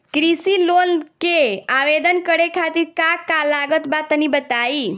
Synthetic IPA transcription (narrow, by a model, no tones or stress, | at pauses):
kɾisilonkeaʋed̪ənkəɽekʰat̪iɾkakalaɡət̪bat̪ːənibət̪ai